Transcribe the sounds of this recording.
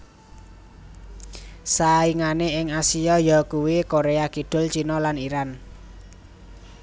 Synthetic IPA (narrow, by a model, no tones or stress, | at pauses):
saiŋaneʔɪŋasiɔjɔkuwekoɾeakiɖ̥ʊ̤lt͡ʃinɔlaniɾan